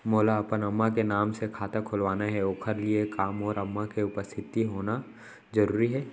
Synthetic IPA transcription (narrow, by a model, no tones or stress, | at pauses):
moːlaɐpənɐmːakenaːmsekʰaːt̪akʰʊlʋaːnaɦɛoːkʰəɾliekaːmɔːɾɐmːakeʊpəst̪ʰɪt̪iɦoːna | zɐɾuːɾiɦɛː